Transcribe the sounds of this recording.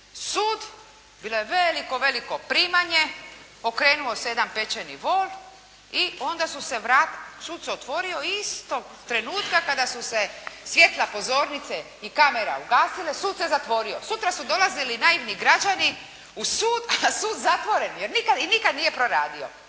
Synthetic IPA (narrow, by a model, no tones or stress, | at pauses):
suːd̪ | biːlˠo̞jeʋeliko̞ʋe̞liko̞pɾiːmaɲe̞ | o̞kɾe̞ːnuo̞sed̪ampe̞t͡ɕenḭʋo̞ːl | io̞nd̪asuse̞ʋɾaːt̪suːd̪seot̪ʋo̞ɾio̞ist̪oɡ | t̪ɾe̞nuːt̪kakad̪asusesʋje̞t̪lˠapo̞zo̞ːɾnit̪se | ikameɾa̰uɡaːsilesuːd̪sezat̪ʋo̞ɾiosut̪ɾasud̪o̞lazilinaːjiʋniɡɾad͡ʒani | usuːd̪asuːd̪zat̪ʋo̞ɾe̞njeɾnikad̪inikad̪nije̞pɾoɾaːd̪io̰